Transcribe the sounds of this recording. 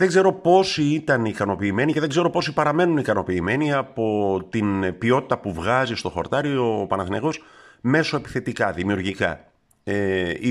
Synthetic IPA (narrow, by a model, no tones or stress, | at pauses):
ðeɡze̞ɾo̞po̞siit̪ɐnikɐno̞piːme̞niceðeɡze̞ɾo̞po̞sipɐɾɐme̞nunikɐno̞piːme̞niɐpo̞t̪inbio̞t̪i̥t̪ɐpuvɣɐzist̪o̞xo̞̰ɾt̪ɐɾio̞pɐnɐθineɣo̞sme̞so̞e̞pi̥θe̞t̪ikɐðimiuɾʝikɐ̰ | ei